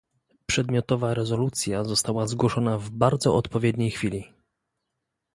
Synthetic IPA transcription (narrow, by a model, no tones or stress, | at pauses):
pʂɛd̪mʲjɔt̪ɔvaɾɛzɔlut̪sʲjazɔst̪awazɡwɔʂɔnavbaɾd̪zɔ̰ɔt̪pɔvjɛd̪ɲejxfʲilʲi